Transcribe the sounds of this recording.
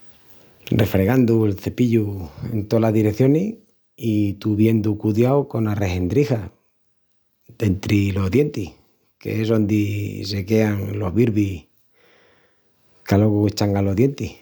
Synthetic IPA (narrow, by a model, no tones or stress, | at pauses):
rrefɾe̞ɣand̪uelθe̞piʎue̞̰nt̪olaɦðiɾekθjo̞ne | it̪uβje̞nd̪ukuðjawko̞nare̞hend̪ɾixa | d̪e̞nt̪ɾilo̞ɦðje̞nt̪ih | kḛesðo̞nd̪ise̞ke̞aŋlo̞βiɾβih | kaloɣuet͡ʃaŋalo̞ðje̞nt̪ih